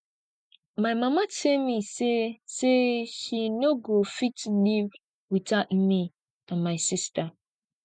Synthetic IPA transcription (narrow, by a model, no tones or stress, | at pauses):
maɪmamatelmiseseʃinoɡofitliv | witatm̩mi | ãnmaɪsista